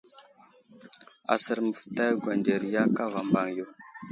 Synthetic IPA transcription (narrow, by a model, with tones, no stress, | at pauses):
a̰˨sə˦ɾmə˨fə̥˨ta˦jɡʷa˨nde˨ɾja˦ka˦va˨mba˨ŋjo˨